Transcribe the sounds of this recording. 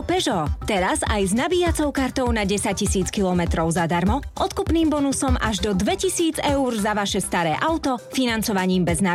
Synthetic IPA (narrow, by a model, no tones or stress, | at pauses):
pɛʒɔt̪ɛɾazajznabiːat͡sɔʊkaɾt̪ɔʊnaɟɛsac̚cisiːt͡skilˠɔmɛt̪ɾɔʊzad̪aɾmɔʔɔt̪kupniːmbɔnusɔmʔa̰ʒd̪ɔd̪ʋɛcisiːd͡zɛuɾzaʋaʃɛst̪aɾɛːʔaʊt̪ɔfinant͡sɔʋaɲiːmbɛzna